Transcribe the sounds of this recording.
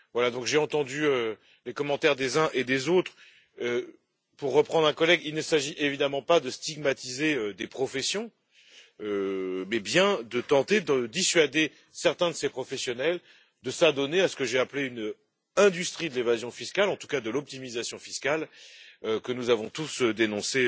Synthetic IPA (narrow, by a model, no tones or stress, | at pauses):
vwalad̪ɔ̃kʒeɑ̃t̪ɑ̃d̪yø | lekɔmɑ̃t̪ɛʁd̪ezɛ̃ʔed̪ezot̪χ | ø | puʁːəpχɑ̃d̪ʁɛ̃kɔlɛɡilnəsaʒiʔevid̪amɑ̃pad̪əst̪iɡ̚mat̪izeød̪epχɔfɛsjɔ̃ | ømɛbjɛ̃d̪ət̪ɑ̃t̪ed̪əd̪isɥad̪e | sɛʁt̪ɛ̃d̪əsepχɔfɛsjɔnɛl | d̪əsad̪ɔneasə̥kəʒeapleyn | ɛ̃d̪yst̪χid̪əlevazjɔ̃fiskʲalɑ̃t̪u̥kad̪əlɔp̚t̪imizasjɔ̃fiskʲaløkənuzavɔ̃t̪usød̪enɔ̃se